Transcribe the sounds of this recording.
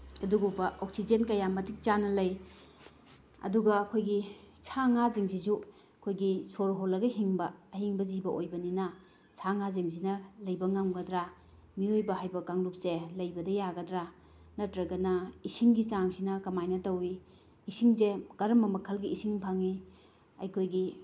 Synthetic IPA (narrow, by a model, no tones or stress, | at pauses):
ɐduɡubɐʔok̚sid͡ʒenkɐjamɐtik̚t͡ʃanɐlɐj | ɐ̰duɡɐːkʰojɡi | sʰaŋaziŋzizu | ɐkʰojɡisoɾɦolɐɡɐɦiŋbɐːɦiŋbɐzibɐʔojbɐninɐ | sʰaŋaziŋzinɐlɐjbɐŋaŋɡɐdɾa | miojbɐɦajbɐkaŋlup̚selɐjbɐdɐjaɡɐdɾa | nɐtɾɐɡɐnɐisiŋɡit͡ʃaŋsinɐkɐmajnɐtɐwi | isiŋzeɡ̥ɐɾɐmɐmɐkʰɐlɡiisiŋpʰaŋi | ɐ̰jkʰojɡi